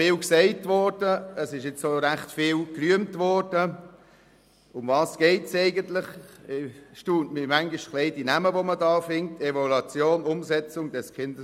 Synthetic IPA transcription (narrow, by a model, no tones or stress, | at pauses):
ɪːlksɛɪtvɔɾd̥əəsɪʃɪt͡soɾæχtfɪːlkryəmtvɔɾd̥ə | ʊmvɑːsɡ̥ɛɪtseɪɡəntlɪχ | ʃtuːntmimæŋɡiʃtχlɛɪdinæməʋomədɑːfɪŋtʰɛvɔlɑt͡sjoːnʊmzɛt͡sʊŋd̥ɛskʰɪndə